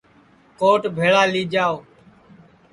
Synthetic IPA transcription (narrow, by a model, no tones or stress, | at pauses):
koːʈbʱeːɭaːliːd͡ʒaːoː